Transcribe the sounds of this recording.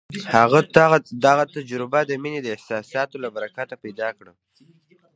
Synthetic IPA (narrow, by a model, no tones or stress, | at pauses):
haɣad̪aɣat̪ad͡ʒɾɪbad̪əmined̪əɪhsɑsɑt̪olabaɾakat̪apajd̪ɑkɽə